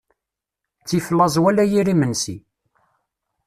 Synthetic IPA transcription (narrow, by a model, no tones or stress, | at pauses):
t͡sːiflːɑzˤwælæjiɾimənsi